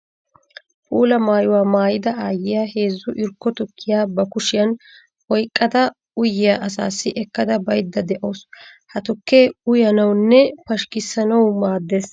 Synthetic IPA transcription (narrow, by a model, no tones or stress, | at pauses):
pʼuːlɐmaːjʊwaːmaːjɪd̪ɐaːjɪjahe̞ːzːʊʔɪɾkːɔt̪ɔkʰːɪjaːbɐkʊʃɪjɐn | ʔɔjkʼːɐd̪ɐ | ʊjɪjaʔɐsa̰ːsːɪʔɛkːɐd̪ɐbɐjd̪ːɐd̪ɛʔoːshɐt̪ɔkːeːʊjɐnɐwnːɛpɐʃkɪsːɐnɐwmaːd̪ːeːs